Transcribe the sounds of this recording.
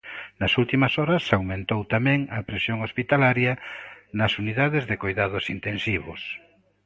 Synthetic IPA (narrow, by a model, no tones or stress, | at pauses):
nɐsult̪imɐsɔɾɐsawmẽnt̪owt̪amɛ̃ŋɐpɾesjoŋospit̪alaɾjɐnɐsuniðaðɪzðɪkojðaðʊsint̪ẽnsiβʊ̰s